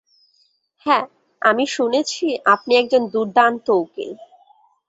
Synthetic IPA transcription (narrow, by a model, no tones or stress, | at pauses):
hɛ | amiʃunet͡ɕʰiʔapniɛk̚d͡ʑond̪uɾd̪ant̪owkḛ